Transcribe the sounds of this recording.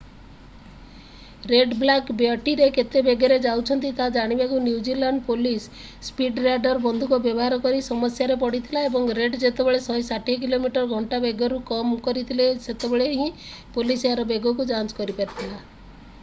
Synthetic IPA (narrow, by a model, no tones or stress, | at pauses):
ɾeɖblakbjɔʈiɾeket̪ebeɡaɾed͡ʒawt͡ʃʰɔnt̪it̪ad͡ʒaɽ̃ibakunjiuwd͡ʒilaɳɖpolisː | piɖɾaɖɔɾbɔnd̪ʱukubjɔbɔɦaɾɔkɔɾisɔmɔsjaɾepɔɽit̪ʰilaebɔŋɾeɖd͡ʒet̪ebeɭesɔɦjsaʈik̬ilomiʈɔɾɡʱɔɳʈabeɡɔɾukɔmkɔɾit̪ʰileset̪ebeɭeɦĩ | polisaɾɔbeɡɔkud͡ʒant͡ʃkɔɾipaɾt̪ʰila